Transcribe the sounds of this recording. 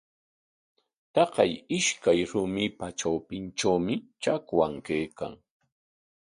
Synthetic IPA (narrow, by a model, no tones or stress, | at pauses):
t̪ɑqɑjɪʃkajɾʊmɪpaʈ͡ʂawpɪnt͡ʃawmɪʈ͡ʂakwaŋkejka̰ŋ